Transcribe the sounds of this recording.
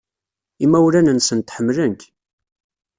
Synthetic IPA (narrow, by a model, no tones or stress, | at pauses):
imːæwulænənsənt̪ħəmːlənk